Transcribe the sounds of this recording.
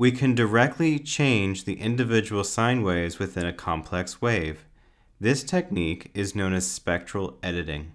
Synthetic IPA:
wikʰɨ̃ndə˞ɛk̚tˡlit͡ʃʰẽɪ̃nd͡ʒðiʔɪ̃ndɨvɪd͡ʒəwl̩ˠsãɪ̃nweɪzwɨθɪ̃nɨkʰɑ̃mpʰlɛksweɪv̥ | ðɪstʰɛk̚nikɨznõʊ̃nɨz̥spɛk̚t͡ʃɹ̥l̩ˠɛɾɨɾɪ̰̃ŋ

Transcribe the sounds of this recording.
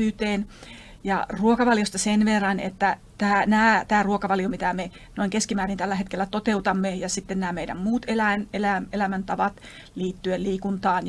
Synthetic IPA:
yːt̪eːn | jɑ̰ruokɑʋɑljost̪ɑsenʋerːɑnḛt̪ːæ | t̪æːnæːt̪æːruokɑʋɑljomit̪æme | noiŋkeskimæːrint̪ælːæhet̪kelːæt̪ot̪eut̪ɑmːejɑsit̪ːennæːmeidæ̰mmuːt̪elænelæelæmænt̪ɑʋɑt̪ | liːt̪ːyeliːkunt̪ɑːn

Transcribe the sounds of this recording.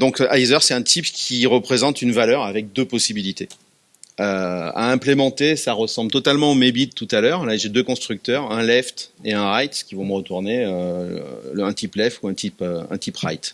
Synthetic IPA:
d̪ɔ̃kajzœʁsɛt̪ɛ̃t̪ʰipkʲʰiʁəpχezɑ̃t̪ynvalœʁavɛk̚d̪øpɔsibilit̪e | øa̰ɛ̃plemɑ̃t̪esaʁəsɑ̃blt̪ɔt̪almɑ̃omebit̪ːut̪alœʁlaʒed̪økɔ̃st̪χyk̚t̪œʁɛ̃lɛft̪eɛ̃ʁajt̪kʲivɔ̃məʁət̪uʁneø̰ | ɛ̃t̪iplɛft̪uɛ̃t̪ʰipøɛ̰̃t̪ʰipʁa̰jt̪

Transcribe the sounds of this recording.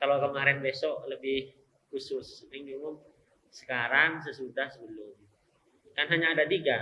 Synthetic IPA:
kalokəmaɾɪnbesɔʔləbɪh | kusʊsbɪŋdiumʊm | sə̥kaɾaŋs̬əsudahsəbəlʊm | kanɦaɲaːdat̪iɡa

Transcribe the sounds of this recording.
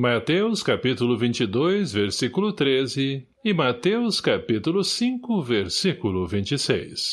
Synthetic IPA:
mat̪ewskapit̪ulʊvĩnt͡ʃid̪ojzveɾsikulʊt̪ɾezɪ | ɪmat̪ewskapit̪ulʊsĩkʊveɾsikulʊvĩnt͡ʃisḛjs

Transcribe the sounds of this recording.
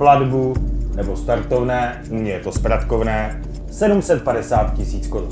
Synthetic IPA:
pladbunɛbo̞st̪aɾt̪ovnɛː | umɲɛjɛt̪o̞spɾat̪kovnɛː | sɛdumsɛt̪̚padɛsaːt̪̚cɪsiːt͡skoɾu

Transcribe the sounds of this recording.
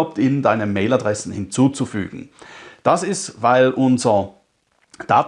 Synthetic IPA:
ʊp̚tɪnndaɪnəmeɪladʁɛsn̩hɪnt͡suːt͡sufy̰ːɡ̥ŋ̩d̥asɪstvaɪlʔʊnzɐ | d̥aːt

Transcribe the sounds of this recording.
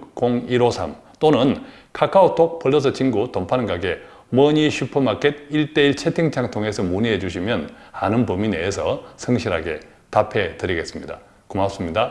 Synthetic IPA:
koŋiɾosʰam | t͈onɯnkʰak͈ʰaot͈ʰok̚pʌɭːʌs̬ʰʌt͡ɕʰiŋɡutompʰanɯnɡaɡe̞ | mʌɲiɕʰupʰɯmak͈et̚iɭt͈e̞iɭt͡ɕʰe̞tʰiŋt͡ɕʰaŋtʰoŋe̞sʰʌmuniɦed͡ʑuɕʰimjʌnanɯnpumineːsʰʌsʰɯŋɕʰiɾɦa̰ɡe̞̰ | tapʰe̞tɯɾiɡe̞s͈ɯmɲida̰ | kumap̚s͈ɯmɲida

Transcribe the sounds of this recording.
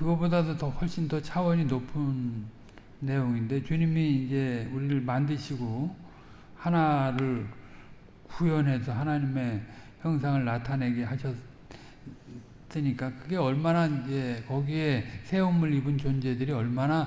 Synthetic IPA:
kɯɡʌbodadotʌɸwʌɭɕ͈intʌt͡ɕʰawʌɲinopʰɯnː | e̞joŋinde̞t͡ɕuɲimiːnd͡ʑe̞uɾiɾɯɭmandɯɕʰiɡo | hanaɾɯɭ | kujʌnɦe̞sʰʌɦanaɲime̞çjʌŋsʰaŋɯɭnatʰane̞ɡe̞ɦaɕʰʌ | s͈ɯɲik͈akɯɡe̞ʌɭmanaind͡ʑe̞kʌɡie̞sʰe̞omɯɾibɯnt͡ɕond͡ʑe̞dɯɾiʌɭmana

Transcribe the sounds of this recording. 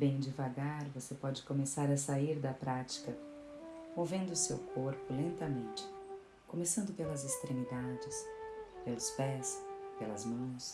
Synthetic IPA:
bẽj̃d͡ʒɪvaɡaɾvosepɔd͡ʒɪkõmesaɾɐsaiɾd̪ɐpɾat͡ʃi̥kɐ | owvẽnd̪ʊːsewkʰoɾpʊlẽnt̪ɐmẽnt͡ʃɪ̥ | kõmesɐ̃nd̪ʊpelɐzɪst̪ɾemid̪ad͡ʒɪspelʊspɛspelɐzmɐ̃w̃s

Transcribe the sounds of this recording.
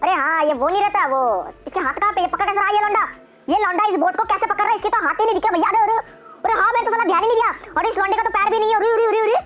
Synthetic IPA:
ɐɾeɦãːjeʋonɐĩɾɛɦt̪aɦɛʋoːɪskeɦaːt̪ʰkapejepɐkəɾkɛːs̬aɾaɦajelɔ̃ːɳɖaː | jelɔ̃ːɳɖaɪsboːʈkokɛːsepɐkəɾːaɛɪskit̪oɦaːt̪inɐ̃id͡ʒ̪ɪkɾebʱɐjːaɾeɾ | ɾeɦaːmɛːnet̪ʊsalːad̪ʱjaːninə̃ĩɡ̪ijaːɔːɾɪslɔ̃ːɳɖekat̪opɛːɾbʱinɐɦĩɛʊɾiɾiɦʊɾiɦʊɾi

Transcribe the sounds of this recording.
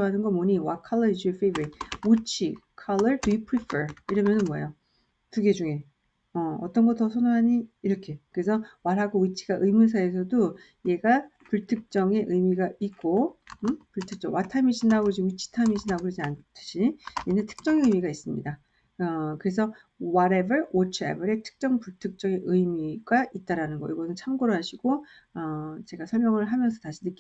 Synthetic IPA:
ɦanɯnɡʌmoɲiwakʰʌɭːʌɾisofejbɯɾitut͡ɕʰikʰʌlːʌɭdujupʰɾipʰəɾiɾʌmjʌnɯnmwʌḛjo | tuɡe̞d͡ʑuŋe̞ | ʌʌ̰t͈ʌnɡʌt͈̚ʌsʰonoɦaɲiːɾʌkʰe̞kɯɾe̞sʰʌmaɾɦaɡowit͡ɕʰi̥ɡaʔɯjmus̬ʰae̞s̬ʰʌdo | jeɡa | kɯɭtʰɯk̚t͡ɕ͈ʌŋe̞ʔɯjmiɡaik͈oɯpuɭtʰɯk̚t͡ɕ͈ʌŋwatʰamiɕʰinaɡod͡ʑiɥit͡ɕʰi̥tʰamiɕʰinaɡɾɯd͡ʑiantʰɯ̥ɕʰijenetʰɯ̥k̚t͡ɕ͈ʌŋe̞ɯjmiɡais͈ɯmɲḭda | ʌkɯɾe̞s̬ʰʌ | waɾe̞bɯɭwot͡ɕʰɯa̰bɯɾe̞tʰɯ̥k̚t͡ɕ͈ʌŋpuɭtʰɯk̚t͡ɕ͈ʌŋe̞ʔɯjmiɡait̚t͈aɾanɯnɡʌiɡʌnɯnt͡ɕʰamɡoɾɯɦaɕʰiɡ̥o | ʌt͡ɕe̞ɡasʰʌɭmjʌŋɯɭɦamjʌnsʰʌtaɕʰinɯk͈

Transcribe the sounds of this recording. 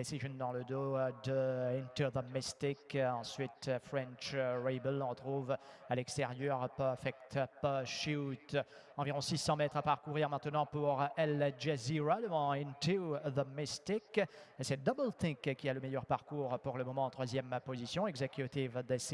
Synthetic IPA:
d̪esiʒɔ̃nd̪ɑ̃ləd̪od̪əĩnt̪uðəmist̪ikɑ̃sɥit̪fʁɛ̃nt͡ʃʁɛbəlɔ̃ʁət̪χuvalɛkst̪eʁjœʁpfɛkt̪pəʃut̪ | ɑ̃viʁɔ̃sisɑ̃mɛt̪χapaʁkuʁiʁmɛ̃t̪nɑ̃puʁɛlʒeziʁaləmɔ̃ĩnt̪uðəmist̪iksɛd̪ɔblt̪ĩkkʲialəmɛjœʁpaʁkuʁpuʁləmɔmɑ̃ɑ̃t̪χwazjɛmpozisjɔ̃ɛɡzekʲjut̪ivd̪esi

